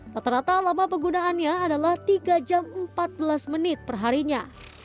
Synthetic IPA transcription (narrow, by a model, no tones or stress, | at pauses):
t̪at̪əɾat̪alamapəɡunaːnɲaːdalaht̪iɡad͡ʒammpat̪̚bəlasmənɪt̪̚pərɦaɾiɲa